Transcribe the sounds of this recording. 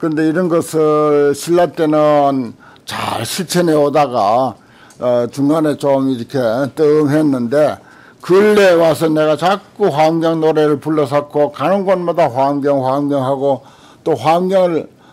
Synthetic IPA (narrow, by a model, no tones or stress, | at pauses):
kɯnde̞iɾʌnɡʌsʰɯɭɕʰiɭːat̚t͈enɯn | t͡ɕa̰ɭɕʰit͡ɕʰeneodaɡa | t͡ɕuŋɡanet͡ɕʌmiɾʌkʰet͈ɯŋɦenːɯnde̞ | kɯɭːewasʰʌneɡat͡ɕak͈uɸwamɡjʌŋnoɾeɾɯɭpuɭːʌs̬ʰakʰokanʌnɡʌnmadaɸwamɡjʌŋɸwamɡjʌŋɦaɡo | t͈oɸwamɡjʌŋɯɭ